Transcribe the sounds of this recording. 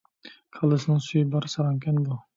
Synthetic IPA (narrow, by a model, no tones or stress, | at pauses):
kʰɑlˠɨsɪnɪŋsujɪbɑɾsɑɾɑŋkʲʰanbu